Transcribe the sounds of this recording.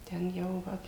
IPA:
tʲɛn ˈjɛʊ ˈʋɐ

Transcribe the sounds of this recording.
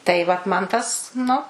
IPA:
tɐɪ ˈʋɐt mɐn ˈtɐs ˈnʊ

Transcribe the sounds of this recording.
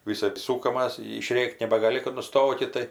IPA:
ʋʲɪˈsɜp ˈsuːkɐmɐs ɪʃʲˈrʲeːkʲtʲ nʲɛbɐɡɐˈlʲɪ kɐt nʊˈstoːkʲɪt tɐɪ

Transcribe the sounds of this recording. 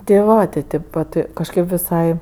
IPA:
tʲɪ ˈʋɐ tʲɪ ˈtʲeːp ʋɐt kɐʃʲˈkʲeːp ʋʲɪˈsɐɪ

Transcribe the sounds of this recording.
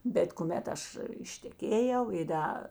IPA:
bʲɛt kʊˈmʲɛt ˈɐʃ ɪʃʲtʲɛˈkʲeːjɛʊ ɪ ˈdɐ

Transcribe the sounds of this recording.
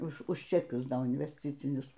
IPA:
ˈʊʃ ʊʃ t͡ʃʲɛˈkʲʊs ˈdoː ɪnʲʋʲɛsʲˈt͡sʲɪt͡sʲɪnʲʊs

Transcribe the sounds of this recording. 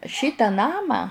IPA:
ˈʃʲiːtɑː ˈnɑːmɑː

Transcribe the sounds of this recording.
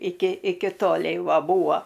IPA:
ˈɪkʲɪ ˈɪkʲɪ ˈtoːlʲɛɪ ˈʋɐ ˈbuːɐ

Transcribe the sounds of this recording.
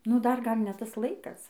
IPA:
nʊ dɐr ˈɡɐlʲ ˈnʲɛ ˈtɐs ˈlˠɐɪkɐs

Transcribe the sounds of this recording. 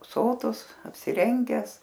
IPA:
ˈsoːtʊs ɐpʲsʲɪˈrʲɛŋʲɡʲæːs

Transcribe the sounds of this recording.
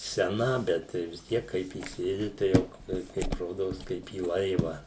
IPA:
sʲɛˈnɐ ˈbʲɛt tɐɪ ʋʲɪs ˈtʲiɛk ˈkɐɪp iːˈsʲeːdʲɪ tɐɪ ˈjɛʊ tɐɪ ˈkɐɪp ˈroːdoːs kɐɪp iː ˈlˠɐɪʋɐ

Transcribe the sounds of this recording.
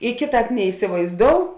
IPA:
ɪ ˈkʲeːˌtɑːp nʲɛɪsʲɪʋɐɪzˈdoːʊ

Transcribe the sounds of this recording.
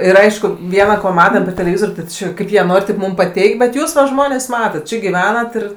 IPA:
ɪr ˈɐɪʃkʊ ˈʋʲiɛnɐ koː ˈmɑːtɐm pʲɛr tʲɛlʲɛˈʋʲɪzoːrʲ tʲɪ ˈt͡ʃʲɪ ˈkɐɪp jiɛ ˈnoːrʲ rʲeːp ˈmʊm pɐˈtʲɛɪkʲ bʲɛt ˈjuːs ʋɐ ˈʒmoːnʲeːs ˈmɑːtɐt ˈt͡ʃʲɪ ɡʲɪˈʋʲæːnɐt ɪr

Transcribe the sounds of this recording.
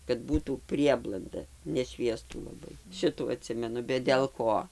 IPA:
kɐt ˈbuːtuː ˈpʲrʲiɛblˠɐndɐ nʲɛˈʃʲʋʲiɛstuː lˠɐˈbɐɪ ˈʃʲɪtuː ɐˈtʲsʲɪmʲɛnʊ bʲɛt dʲɛlˠ ˈkoː

